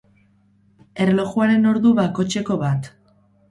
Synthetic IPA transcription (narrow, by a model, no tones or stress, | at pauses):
e̞relo̞ɣuaɾe̞no̞ɾðuβako̞t͡ʃe̞ko̞βat̪